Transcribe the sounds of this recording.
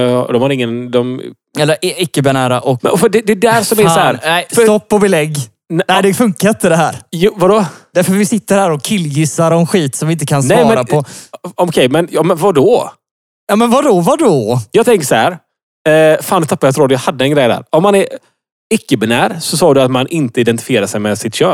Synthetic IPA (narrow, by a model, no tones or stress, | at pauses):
d̪ɔmhaɾɪŋːənd̪ɔm | ɛlːəɾʔɪkːəbɪnæːɾaʔɔkfœɖɛd̪ɛd̪æɾsɔmæsɔhæɾnɛɪsft̪ɔpːɔbɛlɛɡː | nɛɪd̪ɛfɵŋkaɾɪnt̪əd̪ɛɦæːɾjuvad̪ɔd̪æɾfœvɪsɪt̪ːəɾhæːɾɔkʰːɪlːjɪsːaɾɔnɧiːt̪sɔmvɪɪnt̪̬əkʰansnɛɑːmɛɾaɔɔkʰɛjmɛnjɑːmɛnvadɔ | jɑːmɛnvad̪ɔvadɔjɑːɡt̪ʰɛŋkəsahæɾ | faːnɛt̪ʰapːajɛat̪ɾuːad̪jɑːhad̪ːəɛnɡɾɛjd̪æ̰ːɾɔmːanɛɾ | ɪkːəbɪnæːɾsɔsɑːd̪ɵat̪manʔɪnt̪əɪd̪ɛnt̪ɪ̥fɪjeːɾaʂɛjmɛsɪt̪ɕøː